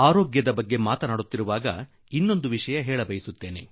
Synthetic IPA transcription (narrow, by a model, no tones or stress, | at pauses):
aːɾoːɡjɐd̪ɐbɐɡːe̞maːt̪ɐnaːɽut̪ːiɾuʋaːɡɐ̰ | inːo̞nd̪uʋiʂɐjɐɦeːɭɐbɐjisut̪ːe̞ːne̞